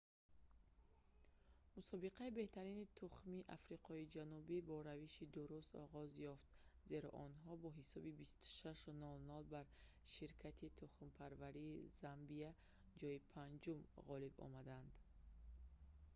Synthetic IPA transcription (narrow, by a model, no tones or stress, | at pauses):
musɔbiqaibe̞ht̪ʰaɾinit̪ʰuχmiʔafɾiqʰɔid͡ʒanubibɔɾaviʃid̪uɾust̪ɔ̰ʁɔzjɔft̪ze̞ɾɔ̰ʔɔnɦɔbɔɦisɔbibist̪u̥ʃaʃnɔlnɔlbaɾ | ʃiɾkʰat̪ʰit̪ʰuχmpʰaɾvaɾiːzambia | d͡ʒɔipʰand͡ʒumʁɔlibɔ̰mad̪and̪